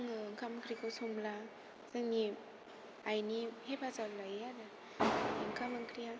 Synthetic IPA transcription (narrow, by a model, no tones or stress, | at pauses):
ŋɯŋkʰamkʰɾikʰɯsumla | zɯŋni | ajnihebʰazalajaɾa | ajniŋkʰamaŋkʰɾija